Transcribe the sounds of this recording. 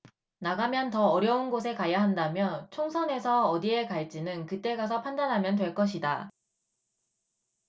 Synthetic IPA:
naɡamjʌntʌːɾjʌunɡos̬ʰe̞kajaɦandamjʌnt͡ɕʰoŋsʰʌne̞sʰʌːdie̞kaɭt͡ɕ͈inɯnkɯt͈e̞ɡas̬ʰʌpʰandanɦamjʌnt̬we̞ɭk͈ʌɕʰida

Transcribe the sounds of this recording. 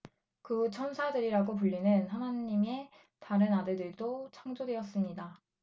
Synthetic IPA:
kɯt͡ɕʰʌnsʰadɯɾiɾaɡop̬uʎːinɯnɦanaɲːime̞ | taɾɯnadɯɭdɯɭdot͡ɕʰaŋd͡ʑodwe̞jʌs͈ɯmɲida

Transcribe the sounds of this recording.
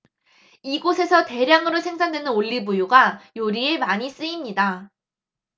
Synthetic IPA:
iɡosʰe̞sʰʌte̞ɾjaŋɯɾosʰe̞ŋsʰandwenɯnoʎːibujuɡajoɾie̞maɲis͈ɯimɲida

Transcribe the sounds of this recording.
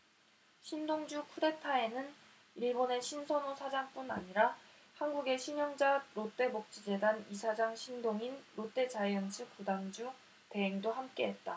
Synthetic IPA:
ɕʰindoŋd͡ʑukʰude̞tʰae̞nɯn | iɭbone̞ɕʰinsʰʌnosʰad͡ʑaŋp͈una̰ɲiɾa | hanɡuɡe̞ɕʰiɲjʌŋd͡ʑaɾot͈e̞mok̚t͡ɕ͈id͡ʑe̞danisʰad͡ʑaŋɕʰindoŋinɾot͈e̞t͡ɕaiʌnt͡ɕʰɯkudaŋd͡ʑu | te̞ɦeŋdohamk͈e̞ɦe̞t̚t͈a

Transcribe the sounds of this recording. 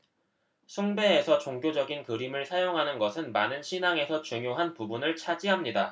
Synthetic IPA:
sʰuŋbe̞ːsʰʌt͡ɕoŋɡjod͡ʑʌɡinkɯɾimɯɭsʰajoŋɦanɯnɡʌsʰɯnmanɯnɕʰinaŋe̞sʰʌt͡ɕuŋjoɦanpubunɯɭt͡ɕʰad͡ʑiɦamɲida

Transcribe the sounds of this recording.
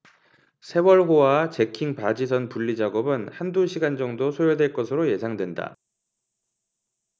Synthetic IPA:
sʰe̞wʌɭɦowat͡ɕe̞kʰiŋpad͡ʑisʰʌnpuʎːid͡ʑaɡʌbɯnhanduɕʰiɡand͡ʑʌŋdosʰojodwe̞ɭk͈ʌsʰɯɾoje̞sʰaŋdwe̞nda̰

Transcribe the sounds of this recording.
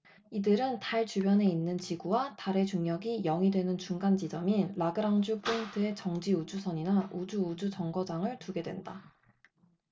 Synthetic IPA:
idɯɾɯntaɭt͡ɕubjʌne̞inːɯnt͡ɕiɡuwataɾe̞t͡ɕuŋɲjʌɡijʌŋidwe̞nɯnt͡ɕuŋɡand͡ʑid͡ʑʌmiɭaɡɯɾaŋd͡ʑupʰuintʰɯe̞t͡ɕʌŋd͡ʑiud͡ʑusʰʌɲinaʔud͡ʑuud͡ʑut͡ɕʌŋɡʌd͡ʑaŋɯɭtuɡe̞dwe̞̰nda

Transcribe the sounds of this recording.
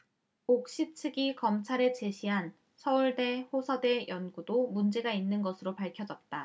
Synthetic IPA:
ok̚ɕ͈ip̚t͡ɕʰɯɡikʌmt͡ɕʰaɾe̞t͡ɕe̞ɕʰiɦan | sʰʌuɭde̞ɸosʰʌde̞jʔʌnɡudomund͡ʑe̞ɡainːɯnɡʌsʰɯɾopaɭkʰjʌd͡ʑʌt̚t͈a

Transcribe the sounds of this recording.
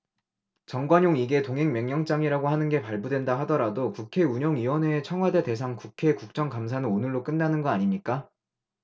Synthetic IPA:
t͡ɕʌŋɡwaɲjoŋiɡe̞toŋɦe̞ŋmjʌŋɲʌŋt͡ɕ͈aŋiɾaɡoɦhanɯnɡe̞paɭbudwe̞ndaɦadʌɾadokukʰe̞uɲʌŋɥiwʌne̞ːt͡ɕʰʌŋɦwade̞te̞s̬ʰaŋkukʰe̞kuk̚t͡ɕ͈ʌŋkams̬ʰanɯnonɯɭːok͈ɯnːanɯnɡʌaɲimɲik͈a

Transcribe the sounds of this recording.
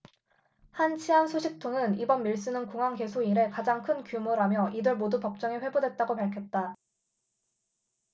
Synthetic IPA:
hant͡ɕʰiansʰoɕʰik̚tʰoŋɯnibʌnmiɭs͈ɯnɯnkuŋɦaŋke̞sʰoiɾe̞kad͡ʑaŋkʰɯnkjumoɾamjʌʔidɯɭmodupʌk̚t͡ɕ͈ʌŋeɸwe̞bodwe̞t̚t͈aɡopaɭkʰjʌt̚t͈a

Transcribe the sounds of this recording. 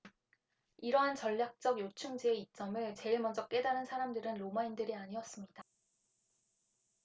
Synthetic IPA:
iɾʌɦant͡ɕʌʎːak̚t͡ɕ͈ʌɡjot͡ɕʰuŋd͡ʑie̞it͡ɕ͈ʌmɯɭt͡ɕe̞iɭmʌnd͡ʑʌk͈e̞daɾɯnsʰaɾamdɯɾɯnɾomaindɯɾiaɲiʌs͈ɯmɲida

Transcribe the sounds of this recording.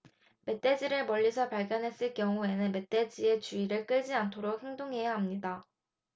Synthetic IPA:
me̞t͈e̞d͡ʑiɾɯɭmʌʎːisʰʌpaɭɡjʌnɦe̞s͈ɯɭk͈jʌŋue̞nɯnme̞t͈e̞d͡ʑie̞t͡ɕuiɾɯɭk͈ɯɭd͡ʑiantʰoɾok̚he̞ŋdoŋɦe̞jaɦamɲida

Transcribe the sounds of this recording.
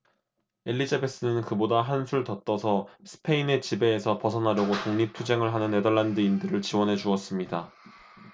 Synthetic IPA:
e̞ʎːid͡ʑabe̞s͈ɯnɯnkɯbodaɦansʰuɭtʌt͈ʌsʰʌsʰɯ̥pʰe̞ine̞t͡ɕibe̞ːsʰʌpʌsʰʌnɦaɾjʌɡotoŋɲip̚tʰud͡ʑe̞ŋɯɭɦanɯnːe̞dʌɭːandɯindɯɾɯɭt͡ɕiwʌnɦe̞d͡ʑuʌs͈ɯmɲida

